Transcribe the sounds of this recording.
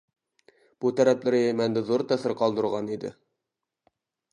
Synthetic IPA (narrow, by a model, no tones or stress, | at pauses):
b̥ut̪æɾæplɘɾjæmænd̪ɘðuɾt̪æsɤɾqɑlˠd̪ɤ̆ɾʁɑnid̪ɪ̰